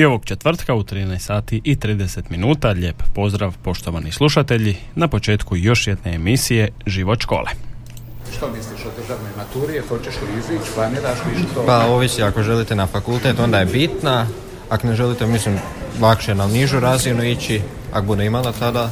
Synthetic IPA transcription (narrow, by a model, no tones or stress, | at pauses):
io̞ʋo̞ɡt͡ʃe̞t̪ʋr̩t̪kaut̪ɾiːnɛjst̪saːt̪iʔit̪ɾiːd̪ese̞t̪minuːt̪aʎe̞ːppo̞zd̪ɾaʋpo̞ʃt̪o̞ʋanislˠuʃat̪eʎi | napo̞t͡ʃe̞ːt̪kujo̞ʃjed̪ne̞ːmisije̞ʒiʋot̪ʃko̞̰ːlʔḛ | ʃt̪omisliʃod̪r̩ʒaʋnojmat̪uːɾiexot͡ɕeʃliizʋit͡ʃpaned̪aʃmiʃt̪opaoʋisiakoʒelit̪e̞nafakulˠt̪et̪o̞nd̪ajebit̪na | akone̞ʒelit̪emislim | lˠakʃenaniʒuɾazinuit͡ɕi | a̰kobud̪eimalat̪ad̪a